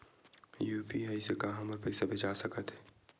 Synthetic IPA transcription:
juːpiaːisekaɦɐ̃məɾpɛɪsabʱet͡ʃaːsɐkət̪ɦɛː

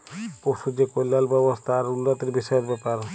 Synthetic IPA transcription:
poʃud͡ʑekojlːalbɛbost̪ʰaːɾulːat̪eɾbiʃɔjoɾbɛpaɾ

